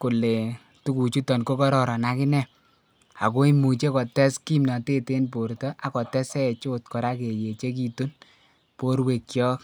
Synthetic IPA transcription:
ku˨le˨ | tu˦ku˨t͡ʃu˦tɔ˨nko˦kɔ˦ɾɔ˨ɾɔ˨na˨˦kɪ˦nɛ˦ | a˨ko˦i˦mu˨t͡ʃe˦kɔ˨tɛ˦ski˦mna˨te˦te˦npo˨ɾtɔ˦ʔa˨kɔ˨tɛ˦sɛ˦˨t͡ʃo˦tkɔ˨ɾa˦ke˨je˨t͡ʃe˦k̬i˨tu˦n | po˦ɾwe˨kjɔ˦k

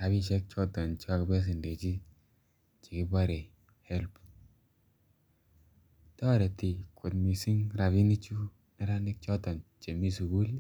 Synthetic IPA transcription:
ɾa˨bi˦t͡ʃɛ˦k̚t͡ʃɔ˦tɔ˨nt͡ʃa˦kbɛ˦s̬i˨nde˨t͡ʃi˦ | t͡ʃi˨kɪ˦ba˦ɾe˨ | hɛ˦lp | tɔ˦ɾe˨ti˨kʰo˨tmi˨si˦ŋɾa˨βi˦ni˦t͡ʃu˦ | nɪ˨˦ɾa˦nɪ˦k̚t͡ʃɔ˦tɔ˨nt͡ʃe˨mi˦su˨ɡu˦l

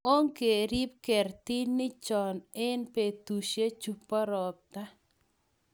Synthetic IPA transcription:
o˦ŋke˨ɾi˦p̚kɛ˨ɾt̪i˦nnːɪ˦t͡ʃɔ˨nɪ˦npe˨t̪u˨ʃe˦t͡ʃu˨pːa˦ɾɔ˨p̚t̪a˦

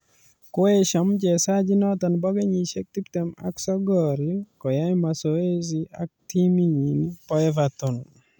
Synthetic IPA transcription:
ko˦e˦ʃɔ˨md͡ʒɛ˨sa˦d͡ʒi˦nɔ˦t̪ɔ˨nbɔ˦ɡe˦ɲi˨ʃe˦k̚t̪i˦pt̪ɛ˨ma̰˨ksɔ˦ɡɔ˨ɾikɔ˨ja˦jma˨so˨e˦zia̰˦k̚ti˦mi˦ɲi˨npɔ˦ɛ˦vatɔ˨n

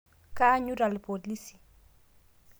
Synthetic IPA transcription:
ka˦ɲu˦ɾa˨lpo˨li˦si̥˨

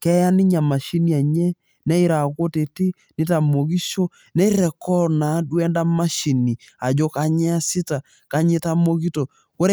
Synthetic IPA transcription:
kɛ˦ja˦ni˦ɲa˨ma˨ʃi˦ni˦a˨ɲɛ˦ | nɛ˦i˦ɾa˨ko˦te˨te˦ | ne˦ta˨mo˨ɣi˦ʃɔ˦ | nɛ˦i˦ɾɛ˨kɔ˦na˨˦dwɛ˦nda˦ma˦ʃi˨ni˨ | a˨d͡ʒo˨ka˨ɲɛ˦a˦si˦ta˨ | ka˨ɲe˦ta˦mo˦ɣi˦tɔ˨ | ko˦ɾ

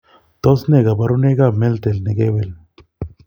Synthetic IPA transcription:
t̪o˦sne˦˨ɡa˨ba˨˧ɾu˦ne˦ɡa˦˨me˦lt̪e˨lne˨ɡe˦be˨l

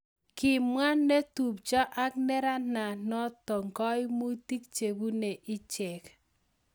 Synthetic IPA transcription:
kɪ˨mwa˦nnːe˦tu˨p̚t͡ʃɔ˦ʔa˦knɛ˦ɾa˦na˨nɔ˦tɔ˨ŋɡɔ˦jmu˦ti˦k̚t͡ʃe˨bu˦ne˨ʔɪ˦t͡ʃɛ˨k

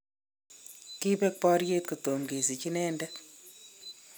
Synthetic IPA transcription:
ki˦bɛ˦k̚pɔ˦ɾje˦t̪̚ko˨to˨ŋɡe˨si˨t͡ʃi˦nɛ˦ndɛ˦

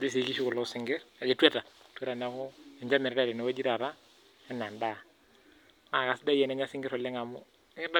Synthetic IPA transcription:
d͡ʒi˦si˨˦ki˦ʃu˦kɔ˨lɔ˦sɪ˦ŋɡɪ˦ɾa˨d͡ʒe˨twɛ˦ta˨twe˦ɾa˨na˦kɔ˦ɛ˨ɲd͡ʒa˦mɪ˨ɾɾa˦˨ɾɪ˨na˨wa˦d͡ʒi˦ɾa˨ɾa˦ | ɛ˦n˨a˨nda˦˨ | ma˨ka˨sda˦jɛ˨na˦ɲa˦sɪ˦ŋɡɪ˦ɾɔ˨lɛ˦ŋa˨mʊ˦ | ŋɪ˦da˦

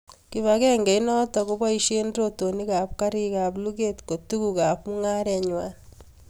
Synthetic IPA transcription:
ki˨βaɣe˦ŋɡe˨inɔ˦taku˦βa˦i˦ʃe˦ndɾoto˨ni˦ka˨pka˦ɾi˦ka˨βlu˦ɣe˦tko˨tu˦ɣuɣa˨pmu˦ŋaː˦ɾɲwa˦ni

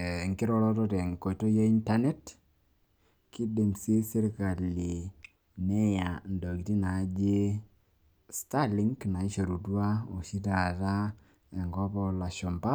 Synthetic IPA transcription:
ŋkɪ˦ɾɔɾɔ˦tɔ˦tɛ˨ŋ˨ko˨i˨to˦je˦i˦nta˦nɛ˦t | ki˦de˨mse˦se˦ɾka˨li˨ | nɛ˦ja˨ndɔ˨ɡi˨ti˦na˨˦d͡ʒe˦ | sta˦li˦ŋkna˨i˦ʃo˨ɾu˨twa˦o˨ʃi˦ta˨ta˦ | ɛ˨ŋɡɔ˦pɔla˨ʃɔ˨mba˦

